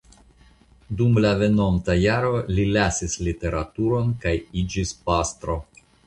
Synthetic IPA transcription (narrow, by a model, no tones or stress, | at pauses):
dumlave̞no̞mtajaɾo̞lilasislite̞ɾatuɾo̞nkajid͡ʒispast̪ɾo̞